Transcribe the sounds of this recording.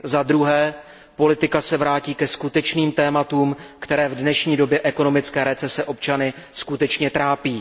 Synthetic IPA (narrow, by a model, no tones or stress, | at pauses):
zad̪ɾuɦɛː | po̞lɪt̪ɪkasɛvɾaːciːkɛskut̪ɛt͡ʃniːmt̪ɛːmat̪uːmkt̪ɛɾɛːvdnɛʃɲiːdo̞bjɛʔɛko̞no̞mɪt͡skɛːɾɛt͡sɛsɛʔo̞p̚t͡ʃanɪskut̪ɛt͡ʃɲɛt̪ɾaːpiː